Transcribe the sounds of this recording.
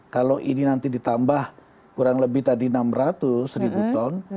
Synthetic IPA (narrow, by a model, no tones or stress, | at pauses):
kaloʔḭninant̪idit̪ambah | kuɾaŋləbɪht̪adinamrat̪ʊsribut̪ɔn